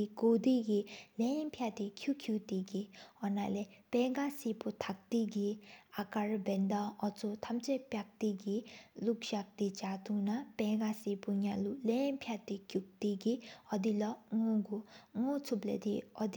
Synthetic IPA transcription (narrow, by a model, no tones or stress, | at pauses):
iɡod̪iɡilɛmpʰjat̪ikʰjukʰjut̪iɡiɔnalɛpɛɡasiput̪ʰak̚t̪iɡiakaɾbɛnd̪aɔt͡sut̪ʰɐmt͡ʃɛpjak̚t̪iɡilukʃak̚t̪it͡ʃat̪unapɛɡasipuɲalulɛmpʰjat̪ikʲjuk̚t̪iɡiɔd̪ilɔŋɔɡuŋɔt͡sʰuplɛ̰d̪iɔd̪